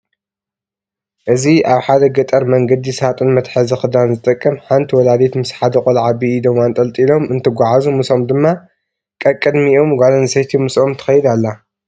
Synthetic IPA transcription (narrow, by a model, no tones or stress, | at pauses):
ʔɨziʔaβħad̪ɐɡɐt̪ʼɐɾmɐŋɡɐd̪isat̪ʼɨnmɐt̪ħɨzɨxɨd̪anzɨt̪ʼɐkʼːɐmħant̪ʰwɔlad̪et̪mɨsħad̪ɨkʼolʕabiːd̪ɐmant̪ʼɐlt̪ʼilo̞mɨnt̪ʰɨɡʷaʕazumɨsomd̪ɨmːa | kʼɐkʼːɨd̪miʔo̞mɡʷalɐnsɐjt̪ʰimɨsʔo̞mt̪ʰɐ̥xɐjid̪alːa